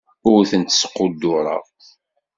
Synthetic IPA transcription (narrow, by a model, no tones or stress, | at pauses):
ʊɾθənt̪ə̥sqod̪ːʊɾˤɑ̰